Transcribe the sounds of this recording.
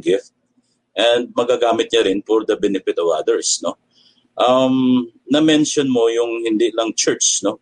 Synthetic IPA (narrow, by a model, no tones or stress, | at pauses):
ɡɪft̪̚ | ʔɛnd̪̚mɐɡaɡaːmɪt̪̚ɲɐɾɪnpɔɾd̪ɐbɛnɛpɪt̪ɐva̰d̪ɛɹsno | ʔɐmnɐmɛnʃonmojʊŋhɪnd̪ilɐŋt͡ʃɛɹt͡ʃno